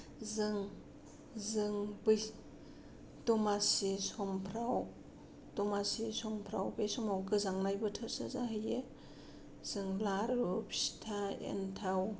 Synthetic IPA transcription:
zɯŋ | zɯŋbɯ | dɔmasisɔmpʰɾaw | dɔmasisɔmpʰɾawbesɔmawɡɯzaŋnajbɯtʰɯɾsɯ̰zaɦɯje | z̥ɯŋlaɾupsi̥tʰaḛntʰaw

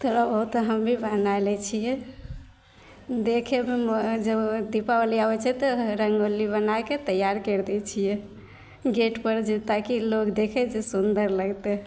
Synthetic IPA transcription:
t̪ɔɾabəɦut̪ɦəmbʱibʱanajlɛt͡ʃʰijɛ | d̪ekʰememd͡ʒəbd̪ipaoliabɛt͡ʃʰɛt̪ɔɾəŋɡolːibənajket̪əjaɾkəɾd̪ɛt͡ʃʰijɛ | ɡeʈpəɾd͡ʒet̪akilokd̪ekʰɛd͡ʒesund̪əɾləɡt̪ɛ

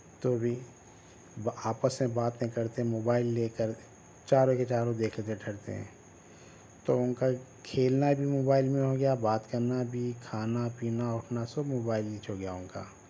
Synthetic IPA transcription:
t̪obʱi | aːpəsmẽbaːt̪nkɐɾt̪eɦɛ̃moːbaːɪlːeːkəɾ | t͡ʃaːɾõket͡ʃaːɾõd̪eːkʰleːt̪eʈʰɐɽt̪ḛɦɛ̰̃ː | t̪oʊnkakʰeːlnabʱimoːbaːɪlmẽɦoɡɐjabaːt̪kəɾnabʱikʰaːnapiːnaʊʈʰnasʊbmoːbaːɪldiːt͡ʃoɡɐjaʊ̃nka̰ː

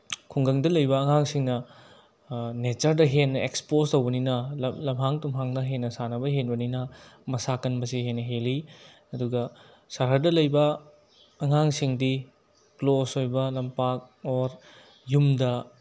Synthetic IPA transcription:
kʰuŋɡɐŋdɐlɐjbɐːŋaŋsiŋnɐ | net͡ʃɐɾdɐɦenːɐekspostowbɐninɐlɐmɦaŋtumɦaŋnɐɦenːɐsanɐbɐɦenbɐninɐmɐsakɐnbɐsiɦenːɐɦeli | ɐduɡɐ | saɾɦɐdɐlɐjbɐː | ŋaŋsiŋdi | klosojbɐlɐmpak̚oɾ | jumdɐ

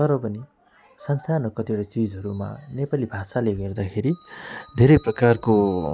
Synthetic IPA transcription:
t̪ʌɾʌpʌni | sʌnsarnʌkʌt̪iʌʈat͡sid͡zɦʌɾuma̰nepalibʱasaleɡʌrd̪akʰeɾid̪ʱeɾʌjprʌkarko

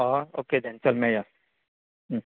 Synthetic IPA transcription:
aoked̪ʱɛ̃nt͡ʃɐlmɛ̃jas

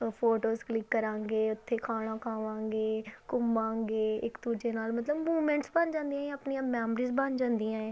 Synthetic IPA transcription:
pʰoːʈoːzklɪkːəɾãːŋɡeːʊt̪ʰːeːkʰaːɽ̃ãːkʰaːʋãːŋɡeːkʊmbãːŋɡeːɪkd̪uːd͡ʒeːnaːlmət̪ləbmuːmɛ̃ːɳʈsbənd͡ʒãːnd̪ĩjãːəpnijãːmɛːmɾiːzbənd͡ʒãːnd̪ijãːɛ̃ː

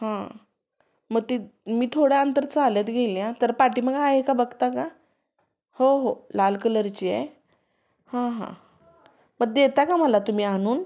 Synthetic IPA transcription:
hã | məɡ̚t̪imiːt̪ʰoɽjaənt̪əɾt͡salət̪ɡʱeljãt̪əɾpaʈiːməɡaːɦekabəɡt̪aka | hoɦolalkələɾt͡ɕiːɛ̰ | hãɦã̰ | məɡ̚d̪et̪akaməlat̪um̤iːaɽ̃uːn

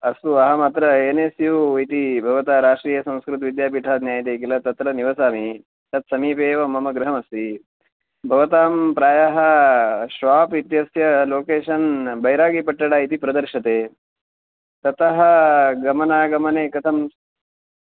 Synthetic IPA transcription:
ɐst̪uɐɦɐmɐt̪ɾɐeːnesjuit̪ibʱɐʋɐt̪aːɾaːʂʈɾiːjɐsɐ̃w̃skɾut̪ʋid̪jaːp̬iʈʰaːd̪njaːjɐt̪̬eːkilɐt̪ɐt̪ɾɐniʋɐsaːmi | t̪ɐt̪sɐmiːpeːʋɐmɐmɐɡɾɐɦɐmɐst̪i | bʱɐʋɐt̪aːmpɾaːjaɦɐʃʋaːpit̪jɐsjɐloːkeːʃɐnbɐjɾaːɡipɐʈːɐɽaːit̪ipɾɐd̪ɐɾʃɐt̪eː | t̪ɐt̪ɐɦɐ̆ɡɐmɐnaːɡɐmɐneːkɐt̪ʰɐm

